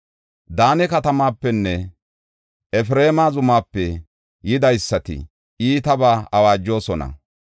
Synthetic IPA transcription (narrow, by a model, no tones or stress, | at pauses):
d̪aːnɛkɐt̪ɐmaːpːɛnːɛ | ʔɛfɾeːmaːzʊmaːpːɛ | jɪd̪ɐjsːɐt̪ɪ̰ | iːt̪ɐbaːɐwaːd͡ʒːo̞ːsɔnɐ̰